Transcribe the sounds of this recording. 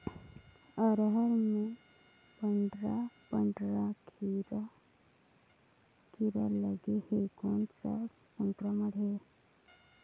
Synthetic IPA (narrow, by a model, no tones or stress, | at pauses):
əɾɦəɾmẽ | pəɳɖɾapəɳɖɾakɾ | kiɾaləɡehekoːnsa̰ | sə̃ŋkɾəməɽ̤eɾ